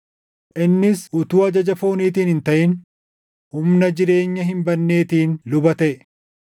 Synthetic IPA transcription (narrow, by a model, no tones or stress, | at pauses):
ʔɪnːɪsʔʊt̪uːɐd͡ʒɐd͡ʒɐfo̞ːniːt̪̬iːnhɪnt̪ɐʔɪn | hʊmnɐd͡ʒɪɾe̞ːɲːɐɦɪmbɐnːe̞ːt̪iːnlʊbɐt̪ɐʔɛ